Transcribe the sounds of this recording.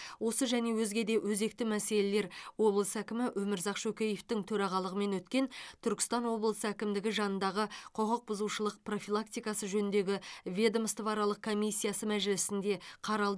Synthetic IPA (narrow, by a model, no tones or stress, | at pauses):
wo̞səʒæne̞wɵzɡʲe̞d̪e̞wɵze̞k̚t̪ɪmæse̞le̞le̞ɾwo̞blˠəsəækʲɪmɪwʔɵmɪɾzɑqʃɵkʲejeft̪ɪŋt̪ʰɵɾɑʁɑlˠəʁəme̞nwɵt̪kʲe̞nt̪ʰʏɾkʲɪ̥st̪ɑnwo̞blˠəsəækʲɪmd̪ɪɡʲɪʒɑnənd̪ɑʁəqʰoqəq̚bʊzuwʃəlˠəq̚pro̞fʲilˠak̚t̪ijkɑsəʒɵnɪnd̪e̞ɡʲɪvʲed̪omst̪əvɑɾɑlˠəq̚kʰo̞mijsʲːijasəmæʒɪlɪsɪnd̪e̞qʰɑɾɑlˠd̪